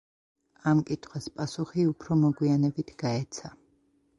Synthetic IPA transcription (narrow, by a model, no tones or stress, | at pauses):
amkʼit̪ʰχwaspʼasuχiupʰɾɔmɔɡwianɛbit̪ʰɡ̥aɛt̪sʰa